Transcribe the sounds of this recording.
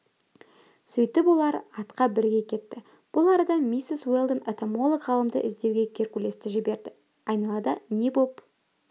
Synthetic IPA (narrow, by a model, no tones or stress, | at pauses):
sʏjt̪ɪpwo̞lˠɑɾɑt̪qɑbɪɾɡʲe̞kʲʰe̞t̪ːɪ | b̥ʊlˠɑɾɑd̪ɑmʲisɪswelˠd̪ənet̪omo̞lˠokʁɑlˠəmd̪ə̰ʔɪzd̪e̞wɡʲe̞kʲʰe̞rkʲulʲe̞st̪ɪʒɪbe̞ɾd̪ɪ | ɑjnɑlˠɑd̪əne̞bo̞p